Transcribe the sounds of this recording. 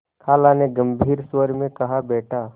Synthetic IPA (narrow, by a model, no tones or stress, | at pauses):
kʰaːlaneɡɐ̃mbʱiːɾswəɾmẽkɐɦabɛːʈʰa